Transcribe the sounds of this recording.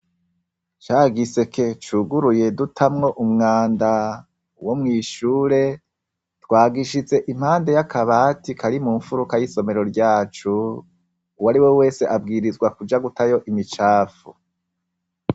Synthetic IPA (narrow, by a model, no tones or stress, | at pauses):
t͡ʃaːɡise̞kʰe̞t͡ʃuɡuɾuje̞dutʰamŋo̞ʔumŋaːnda | wo̞mŋiːʃuːɾe̞ | twaːɡiʃize̞ʔim̥haːnde̞jakaβaːtikʰaɾimuɱfuɾukajiso̞me̞ɾo̞ɾɟaːt͡ʃu | waɾiwe̞we̞ːse̞ʔab̚ɡiːɾizɡwakud͡ʒaɡutajo̞ʔimit͡ʃaːfu